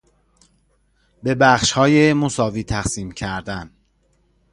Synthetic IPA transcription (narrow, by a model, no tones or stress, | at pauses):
be̞bæχʃhɒːjemosɒːviːt̪ʰæxsiːmcʰæɾd̪æn